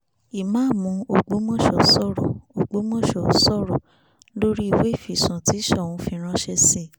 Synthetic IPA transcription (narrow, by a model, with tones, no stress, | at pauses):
i˨mãː˦˨mũ˨˦o˨ɡ͡bo˨˦mɔ̃˦˨ʃɔ˨sɔ˦˨ɾɔ˨o˨ɡ͡bo˨˦mɔ̃˦ʃɔ˨sɔ˦˨ɾɔ˨ | lo˦ɾi˦i˦˨we˨˦i˦˨fi˨sũ˨ti˨˦ʃɛ˦˨w̃ũ˧˦fi˧ɾ̃ã˧ʃɛ˧si˦˨